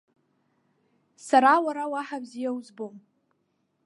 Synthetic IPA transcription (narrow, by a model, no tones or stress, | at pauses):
saɾawaɾawaħabzijawuzbom